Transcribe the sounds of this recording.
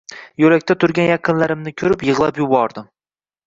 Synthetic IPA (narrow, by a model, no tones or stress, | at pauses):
jolak̚ʲt̪ʰat̪ʰʊɾɡʲanjɑqʰɨnlaɾɪmnɪkʲʰɵɾɪpjɨʁlˠa̰pjʊbɒɾd̪ɪm